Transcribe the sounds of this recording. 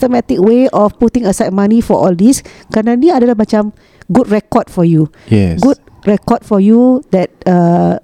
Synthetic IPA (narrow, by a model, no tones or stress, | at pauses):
ɔt̪omɛt̪ik̚weʔɔfput̪ĩŋəsat̚mãnĩfɔʔɔldiskɾanãnĩadalahmat͡ʃãm | ɡud̚ɹɛkɔd̚fɔju | ɛɡut̚ | ɹɛkɔt̚fɔjudɛt̚ə